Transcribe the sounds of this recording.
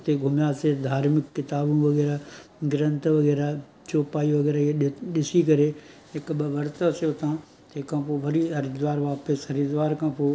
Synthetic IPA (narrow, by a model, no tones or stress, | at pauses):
t̪eɡʱʊmjaːsed̪ʱaːɾmɪkːɪt̪aːbũʋɐɣɛːɾaɡɪɾə̃nt̪ʋɐɣɛːɾa | t͡ʃoːpaːiʋɐɣɛːɾaɗɪsikɐɾe | ɦɪkɓɐʋɐɾt̪əsjot̪ãː | t̪ːkʰãːpoːʋɐɾiɦɐɾid̪ʋaːɾʋaːpəsɐɾid̪ʋaːɾkʰãːpoː